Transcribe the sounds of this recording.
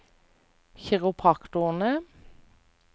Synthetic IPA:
çɛʁʊpʰɑkt̪ʊnə

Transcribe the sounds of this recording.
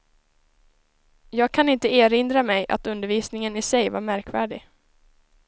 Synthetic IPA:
jɑːɡ̚kʰanɪnt̪əeːɾɪnd̪ɾamɛjʔa̰t̪ɵnd̪əɾviːsnɪŋənɪsɛjvaɾmæɾkvæ̰ːɖɪ

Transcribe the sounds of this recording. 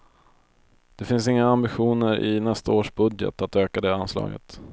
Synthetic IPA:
d̪̥ɛfɪnsɪŋːaambɪɧuːnəɾʔɪnɛst̪aoːʂbɵd̪jə̰t̪at̪øːkad̪ɛanslɑ̰ːɡə̰t̪

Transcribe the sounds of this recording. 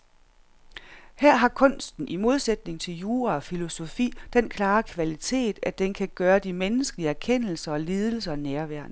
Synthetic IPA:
hæɐ̰ɦɑ̈kʰɔ̽n̰sd̥n̩ʔimo̝ð̞ˠsed̥ne̝ŋt͡sʰe̝ljuːɐɒ̽filo̝so̝fḭːd̥enkʰlɑ̈ːkʰʋælit͡sʰe̝̰ːd̥æd̥enkʰæɡ̥ɶːɐd̥imenəsɡ̥əliəæɐkʰen̰l̩sɐɒ̽liːð̞ˠl̩s̬ɐɒnæɐʋæɐ̰n

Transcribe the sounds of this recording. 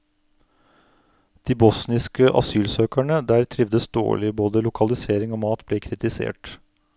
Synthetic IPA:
d̪̥iːbɔsnɪskəʔɑ̰syːlsøːkæɳəd̪æːɾt̪ʰɾɪʋd̪əsd̪o̰ːɭɪboːd̪əlʊkʰɑlɪseːɾɪŋoːmɑːt̪bleːkʰɾɪt̪ɪsḛːʈ

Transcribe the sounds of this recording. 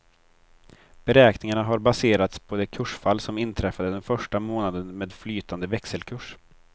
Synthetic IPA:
b̥ɛɾɛːknɪŋaɳaɦaɾbaseːɾat̪spʰɔd̪ɛkʰɵʂfalːsɔmɪnt̪ʰɾɛfad̪əd̪ɛnfœʂʈamoːnad̪ənmeːd̪flyːt̪ʰand̪əvɛksəlkʰɵʂ

